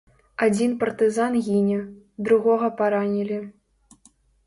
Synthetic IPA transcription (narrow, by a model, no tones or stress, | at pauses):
ad͡zʲinpɐrt̪ɨzanɣʲinʲɐ | d̪ɾuɣɔɣɐpaɾanʲilʲi